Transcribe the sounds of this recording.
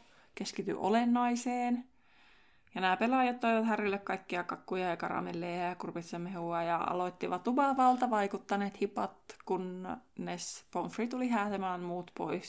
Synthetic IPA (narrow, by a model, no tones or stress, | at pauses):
keskit̪y̰ʔo̰lenːɑiseːn | jɑnæːpelɑjɑt̪t̪ːoiʋɑt̪hærilːekkɑikːiɑkɑkːujɑɑkɑ̰rɑ̰melːeːækurupesːemehuɑjɑɑ̰lot̪ːiʋɑt̪ubɑˑʋɑlt̪ɑʋɑikut̪ːɑneːt̪hipɑt̪kunnespoɱfrit̪ulihæːt̪emæːmmuːt̪po̰is